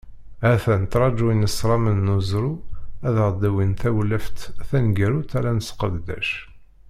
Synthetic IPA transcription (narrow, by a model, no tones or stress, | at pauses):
æθænt̪ɾˤɑd͡ʒuinəsɾˤɑmənːuzɾuæðʁd̪æwinθæwləft̪θænɡəɾut̪æɾænəsqəðd̪æ̰ʃ